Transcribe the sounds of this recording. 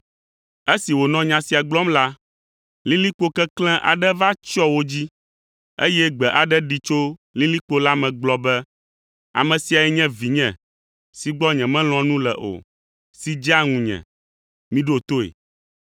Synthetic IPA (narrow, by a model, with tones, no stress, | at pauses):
e˦si˨wo˨nɔ̃˦ɲã˨si˨a˨ɡ͡blɔ˦mla˦ | lĩ˦li˦k͡po˦kɛ˦klɛ̃˦ʔa̰˨ɖɛ˦va˦t͡ʃɔ˦wo˦d͡ʑi˦ | e˦jɛ˦ɡ͡bɛ˨ʔa˨ɖɛ˦ɖi˨t͡ʃo˦lĩ˦li˦k͡po˦la˦mɛ̃˨ɡ͡blɔ˨bɛ˦ | a̰˨mɛ̃˨si˨a˨ɛ˦ɲɛ̃˦vi˨ɲɛ̃˨ | si˨ɡ͡bɔ˦ɲɛ̃˨mɛ̃˦l̃ɔ̃˨nũ˦lɛ̰˨ʔo̰˨ | si˦d͡ʒa˦ŋũ˨ɲɛ̰̃˨ | mĩ˦ɖo˦˨t̪o˦ḛ˨